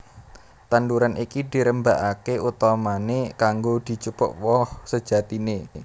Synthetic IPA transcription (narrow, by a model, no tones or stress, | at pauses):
t̪and̪uɾanikid̪̥i̤ɾəmbaʔakeʔut̪ɔmanekaŋɡod̪̥i̤t͡ʃupɔ̰ʔwɔhsə̥d͡ʒ̥a̤t̪ine